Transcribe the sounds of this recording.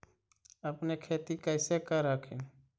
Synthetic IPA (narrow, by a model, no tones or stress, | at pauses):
əpnekʰeːt̪ikəɪsekaɾakʰin